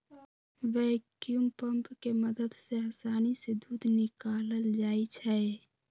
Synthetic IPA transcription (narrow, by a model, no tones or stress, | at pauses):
ʋɛkjumpə̃mpkeməd̪əd̪seɦəsaːnised̪uːd̪ʱnɪkaːləld͡ʒaːit͡ʃʰɛ